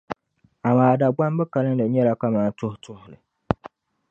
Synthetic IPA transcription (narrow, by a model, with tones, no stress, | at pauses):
a˨maː˨da˨ɡ͡ba˦m˦bɛ˦ka˨lɨ˦ndɨ˨ɲɛ˦la˦ka˦ma˨˦n˦tʊ˦htʰʊ˦hʊ˨lɨ˨